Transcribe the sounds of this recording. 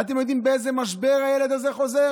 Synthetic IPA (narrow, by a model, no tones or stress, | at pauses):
at̪̬emjod̪imbeezemaʃbeʁajeled̪azeχo̞ze